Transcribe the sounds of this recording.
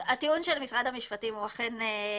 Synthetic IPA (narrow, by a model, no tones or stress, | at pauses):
atiunʃelmisʁad̪amiʃpatimuaχene